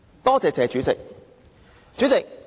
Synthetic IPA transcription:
t̪ɔː˥t͡sɛː˨˧t͡sɛː˨˥t͡ʃyː˨˥t͡sɪ˨k̚ | t͡ʃyː˨˥t͡sɪ˨k̚

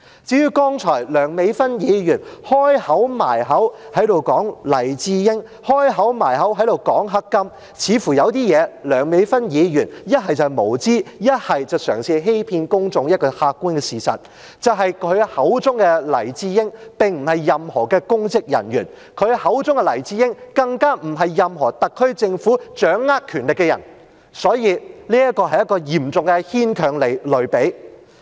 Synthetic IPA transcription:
t͡siː˨˥jyː˧˥kɔː˥ŋt͡ʃʰɔː˨˩jlœː˨˩ŋme˨˧jfɐ˥njiː˨˧jyː˨˩nhɔː˥jhɐ˨˥wma̰ː˨˩jɦɐ˨˥whɐ˨˥jt̪o˨wkɔː˨˥ŋlɐ˨˩jt͡siː˧jɪ˥ŋ | hɔː˥jɦɐ˨˥wmaː˨˩jɦɐ˨˥wɦɐ˨˥jd̪o˨˩wkɔː˨˥ŋɦɐ˥kːɐ˥m | t͡sʰiː˨˧fuː˨˩jɐ˨˧wt̪iː˥jɛː˨˧lœː˨˩ŋme˨˧jfɐ˥njiː˨˧jyː˨˩njɐ˥t̚ɦɐ˨jt͡sɐ˨mo˨˩wt͡siː˥jɐ˥t̚hɐ˨jt͡sɐ˨wsœː˨˩ŋsiː˧ɦe˥jpʰiː˧nkʊ˥ŋt͡sʊ˨ŋjɐ˥t̚kɔː˧haː˧kːuː˥nkɛ˧siː˨sɐ̰˨t̚ | t͡sɐ˨wɦɐ˨jkʰɵ˨˧ɥhɐ˨˥wt͡sʊ˥ŋkɛ˧lɐ˨˩jt͡siː˧jɪ˥ŋpɪ˨ŋm̩˨˩hɐ˨jːɐ˨mhɔː˨˩kɛː˧kʊ˥ŋt͡sɪ˥k̚jɐ̰˨˩nɥyː˨˩n | kʰɵ˨˧ɥhɐ˨˥wt͡sʊ˥ŋkɛ˧lɐ˨˩jt͡siː˧jɪ˥ŋkɐ˧ŋkaː˥m̩˨˩ɦɐ˨jːɐ˨mɦɔː˨˩t̪ɐ˨kʰːɵ˥ɥt͡sɪ˧ŋfuː˨˥t͡ʃœː˨˥ŋːaː˥t̚kʰyː˨˩nlɪ˨kːɛ˧jɐ̰˨˩n | sɔː˨˥jiː˧liː˥jɐ˥t̚kɔː˧ɦɐ˨jɐ˥tkːɔː˧jiː˨˩mt͡sʊ˨ŋkɛ˧hiː˥nkʰœː˨˩ŋle˨˩jlɵ˨ɥpe˨˥j

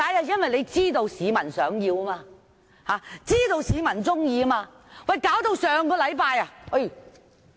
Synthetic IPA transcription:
kaː˨˧˥jaː˧jɐ˥nwɐ˨jle˨˧jt͡siː˥t̪o˧wsiː˨˧mɐ˨˩nsœː˨˥ŋjiː˧wɐ˥maː˧ | haː˨˦t͡siː˥t̪o˧wsiː˨˧mɐ˨˩nt͡sʊ˥ŋjiː˧˥maː˧ | wɐ˨jkaː˨˥wt̪o˧wsœː˨˧ŋkɔː˧lɐ˨˧jpaː˧jɐ˨ɐ˥˩

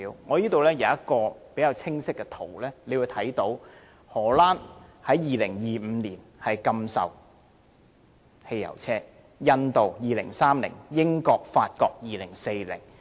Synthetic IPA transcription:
wŋɔː˨˧jiː˥t̪o˨wlɛː˥jɐ˨˧jɐ˥t̚kɔː˧pe˨˥jɐ˨˧wt͡sʰɪ˥ŋsɪ˥kːɛ˧t̪ʰo˨˩wlɛː˥le˨˧wu˧jt̪ʰɐ˨˥jt̪o˨˥w | hɔː˨˩laː˥nhɐ˨˥jjiː˨lɪ˨˩ŋjiː˨m̩˨˧˦niː˨˩nhɐ˨jkɐ˧msɐ̰˨w | he˧jɐ̰˨˩wt͡sʰɛː˥ | jɐ˧nt̪o˨wjiː˨lɪ˨˩ŋsaː˥mlɪ̰˨˩ŋjɪ˥ŋkɔː˧k̚faː˧t̚kɔː˧k̚jiː˨lɪ˨˩ŋse˧jlɪ̰˨˩ŋ

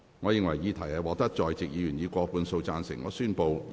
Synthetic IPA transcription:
ŋɔː˨˧jɪ˨˧ŋwɐ˨˩jiː˨˧t̪ʰɐ˨˩jɐ˨˧wɔː˨˧k̚t̪ɐ˥k̚t͡ʃɔː˨jt͡sɪ˨k̚jiː˨˧jyː˨˩njiː˨˧kʷɔː˧puː˧nso˧wt͡saː˧nsɪ̰˨˩ŋɔː˨˧syː˥npo˨˧w

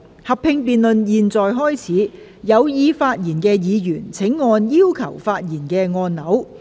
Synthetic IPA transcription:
hɐ˨pʰːɪ˧ŋpiː˨nlɵ˨njiː˨˩nt͡sɔː˨jɦɔː˥jt͡sʰiː˨˥ | jɐ˨˧wjiː˧faː˧t̚jiː˨˩nkɛː˧jiː˨˧jyː˨˩nt͡sʰɪ˨˥ŋːɔː˧njiː˥wkʰɐ˨˩wfaː˧t̚jiː˨˩nkɛː˧ŋɔː˧nnɐ˨˥w

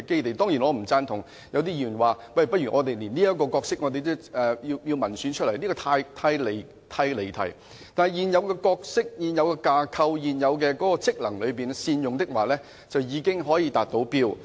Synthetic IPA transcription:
ke˥jt̪e˨jt̪ɔː˥ŋjiː˨˩nɔː˨˧m̩˨˩t͡saː˥nt̪ʰʊ˨˩ŋ | jɐ˨˧wt̪̬iː˥jyː˨˩nwaː˨˩ | wɐ˨˩jpɐ˥t̚ɥy˨˩ŋɔː˨˧t̪e˨jliː˨˩niː˥jɐ˥t̚kːɔː˧kɔː˧k̚sɪ˥k̚ŋɔː˨˧t̪e˨jt̪ʊ˥ɛː˨ji˧wji˧wmɐ˨˩nsy˨˧˥nt͡ʃʰt̚lɐ˨˩jniː˥kɔː˧t̪ʰaː˧jt̪ʰaː˧jle˨˩ | t̪ʰaː˧jle˨˩jt̪ʰɐ˨˩j | t̪aː˨nhɐ˨jiː˨njɐ˨˧wkɛː˧kɔː˧k̚sɪ˥k̚jiː˨˩njɐ˧wkɛː˧kaː˧kʰɐ˧wjiː˨˩njɐ˨˧wk̬ɛ˧kɔː˨˥kɔː˧t͡sɪ˥k̚lɐ˨˩ŋlɵ˨˧ɥpiː˨nsiː˧njʊ˨ŋt̪ɪ˥k̚waː˨˩lɛː˥ | t͡sɐ˨wjiː˨˧kɪ˥ŋɦɔː˨˥jiː˧t̪aː˨t̚t̪o˨˥wpiː˥w

